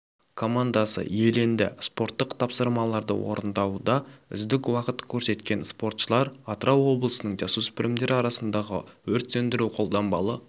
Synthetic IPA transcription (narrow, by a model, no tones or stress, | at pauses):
kʰo̞mand̪asə̰jelend̪ɪ̰spo̞ɾt̪ːəqt̪ʰɑpsəɾmɑlˠɑɾd̪ə̰wo̞̰ɾənd̪ɑwd̪ɑʏ̰zd̪ɪkwɑqət̪kʲʰɵɾse̞t̪kʲe̞nspo̞ɾt̪ʃəlˠɑɾɑt̪ɾɑwo̞blˠəsənəɴd͡ʒɑsuspɪɾɪmd̪e̞ɾɪɑɾɑsənd̪ɑʁə̰wɵɾt̪sɵnd̪ɪɾuqʰo̞lˠd̪ɑmbɑ̰lˠə